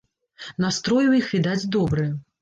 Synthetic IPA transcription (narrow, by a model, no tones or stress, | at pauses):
nast̪ɾɔjuwjixvʲid̪ad͡zʲd̪ɔbɾɨj